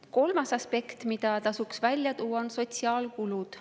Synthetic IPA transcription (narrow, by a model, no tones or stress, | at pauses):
ko̞lmɑsɑspe̞kt̪mid̪̥ɑt̪ɑsuksvælʲjɑt̪uːwːɑonso̞t̪siɑːlkulud̪̥